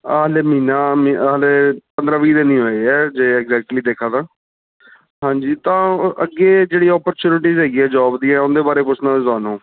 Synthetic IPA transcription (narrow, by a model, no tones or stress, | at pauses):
aːleːmiːnaːmileːpənd̪ɾãːʋiːd̪eːnĩːɦoːiːɛːd͡ʒeːɛːɡzɛːk̚ʈliːd̪eːkʰãːd̪ãː | ɦãːɲd͡ʒiːt̪ãːə̰ɡːeːd͡ʒeːɽiːɔːpəɾt͡ʃuːnɪʈiːzɦɛːɡiːɛːd͡ʒɔːbd̪iːɛ̃ːʊnd̪eːbaːɾeːpʊsʰnãːezaːnõː